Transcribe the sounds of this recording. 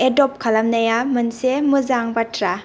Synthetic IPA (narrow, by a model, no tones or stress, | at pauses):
edɔp̚kʰɐlɐmnɐjamɯnsemuzaŋbatʰɾa